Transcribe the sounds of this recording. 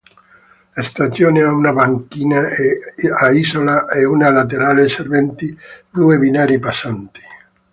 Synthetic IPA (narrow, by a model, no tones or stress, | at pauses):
est̪asjoːneaunabaŋkiːna | aizolaʔeunalat̪̬eɾaːleservɛnt̪ipɾuebinaːɾipasant̪i̥